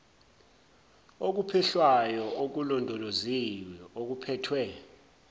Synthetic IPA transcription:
ok̬upʰɛɬwajɔʔok̬ulɔndʱɔloziwɛok̬upʰɛːtʰwɛ

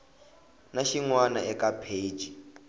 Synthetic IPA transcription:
naʃiŋwanaɛkapʰe̥ːd͡ʒ̥ʱi

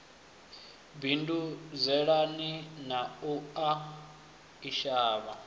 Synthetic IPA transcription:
binduzɛɺaninaua | iʃaːβa

